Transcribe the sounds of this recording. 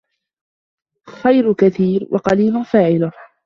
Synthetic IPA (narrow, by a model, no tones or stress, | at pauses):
xajɾkaθiːɾwʔɑ̰qɑliːlʊfaːʕɪlʊ